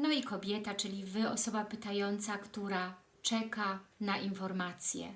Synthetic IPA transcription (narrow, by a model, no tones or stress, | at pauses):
nɔikɔbʲjɛt̪at͡ʂɘlʲivɘɔsɔbapɘt̪ajɔnt̪sakt̪uɾa | t͡ʂɛkanaʔinfɔɾmat̪sʲjɛ̰